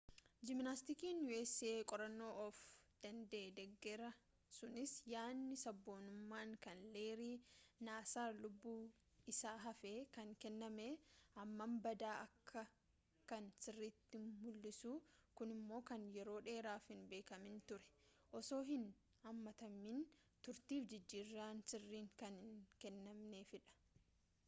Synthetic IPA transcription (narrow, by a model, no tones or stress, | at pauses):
d͡ʒɪmnast̪ɪkiːnjuɛsːɪeːkʼɔɾɐnːo̞ːʔɔfd̪̥ɐnd̪eːd̪ɛɡːɛɾɐ | sʊnɪsjaːnːɪsɐbːo̞ːnʊmːaːŋkɐnle̞ːɾiːnaːsaːlʊbːuː | ɪsaːɦɐfeːkɐŋkɛnːɐmeːɐmːɐmbɐd̪aːʔɐkʰːɐ | kɐnsɪrːiːt̪ːɪmʊlːɪsuːkʊnɪmːo̞ːkɐnjɛɾo̞ːᶑe̞ːɾaːfhɪnbe̞ːkɐmɪnt̪ʊɾɛ̥ | ʔɔso̞ːɦɪn | hɐmːɐt̪ɐmːin | t̪ʊɾt̪iːfd͡ʒɪd͡ʒːiːrːaːnsɪrːiːŋkɐnnkɛnːɐmne̞ːfɪᶑɐ̥